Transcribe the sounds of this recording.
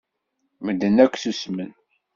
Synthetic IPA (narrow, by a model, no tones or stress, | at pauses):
məd̪ənækʷːθusmən